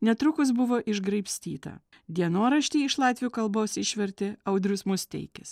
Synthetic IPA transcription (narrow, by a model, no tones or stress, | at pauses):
nʲɛt̪ɾʊkʊsbʊʋoːʔɪʒɡɾɐɪpʲsʲt̪ʲiːt̪ɐ̰ | d̪ʲiɛnoːɾɐʃʲt̪ʲiːɪʃlˠɑːt̪ʲʋʲɪjuːkɐlˠboːsɪʃʲʋʲɛɾʲt̪ʲɪɐʊd̪ʲɾʲʊsmʊst̪ʲɛ̰ɪkʲɪs